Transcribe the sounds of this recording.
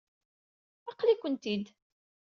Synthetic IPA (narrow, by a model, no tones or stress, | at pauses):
ɑqlikʷənt̪id̪